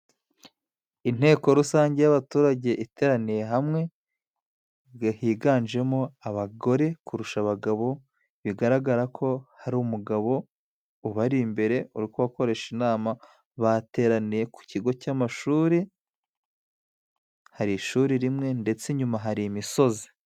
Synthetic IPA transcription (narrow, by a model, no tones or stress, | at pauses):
in̥e̞ːko̞ɾusaːɲɟe̞jaβatuːɾaɟe̞ʔite̞ːɾanije̞ɦamŋe̞ | ɡahiːɡaːnʒe̞moaβaɡo̞ɾe̞kuɾuʃaβaɡaβo̞ | βiɡaɾaɡaɾakʰo̞haɾumuɡaβo̞ | uβaɾimbe̞ɾe̞uɾikoβako̞ɾe̞ʃinaːma | βate̞ːɾanije̞ku̥ciɡo̞camaʃuːɾi | haɾiʃuːɾiɾimŋe̞nde̞t͡se̞ɲumaɦaɾimiso̞zi̥